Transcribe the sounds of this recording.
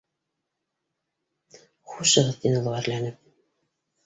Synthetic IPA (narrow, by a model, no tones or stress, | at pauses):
χuʃɤ̆ʁɤðt̪inɤ̆lˠɤæɾlænɘp̚